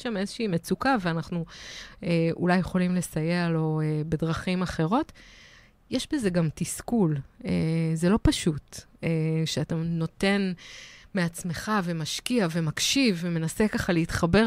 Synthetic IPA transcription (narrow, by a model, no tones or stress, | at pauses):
ʃame̞zeʃiiːmet͡sukaveanaχnueʔulajːeχo̞limle̞sajealo̞ebe̞dʁaχimaχe̞ʁo̞t | jɛʃbe̞ze̞ɡamtiskulezelo̞paʃut | eʃeatano̞te̞nme̞at͡sme̞χave̞maʃkiave̞makʃivːeme̞nase̞kaχaliitχabe̞